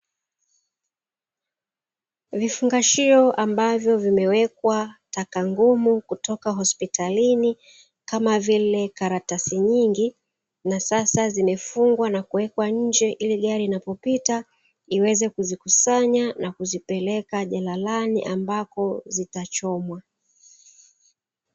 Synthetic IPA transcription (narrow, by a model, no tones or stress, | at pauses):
vifuŋɡaʃiɔʔambavjɔvimɛwɛk̚watakaŋɡumukutɔkaɦɔspitalini | kamavilɛkaɾatasiɲiŋɡi | nasasazimɛfuŋɡwanakuwɛkwaɲ̩d͡ʒɛʔiliɠaɾiːnapɔpita | iwɛzɛkuzikusaɲanakuzipɛlɛkaʄalalanḭʔambakɔzitat͡ʃɔmwa